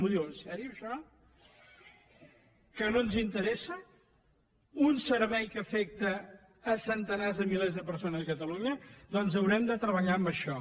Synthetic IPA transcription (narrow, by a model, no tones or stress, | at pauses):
muðiwənsɛɾiuəʃɔ | kənonzint̪əɾɛsə | unsəɾβɛjkəfɛk̚t̪əː | sənt̪ənazðəmilezðəpəɾsonəzəkət̪əluɲəd̪ɔnzəwɾɛmd̪ət̪ɾəβəʎaəmbəʃɔ